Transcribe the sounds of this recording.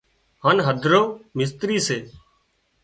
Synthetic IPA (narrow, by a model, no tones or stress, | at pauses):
haːnɦəd̪ʱɾoːmɪst̪ɾiːseː